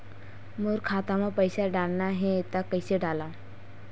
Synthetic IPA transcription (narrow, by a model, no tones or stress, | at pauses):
mʊɾkʰaːt̪amãpəɪsaɖaːlnaɦɛt̪akːɐɪseɖaːlaː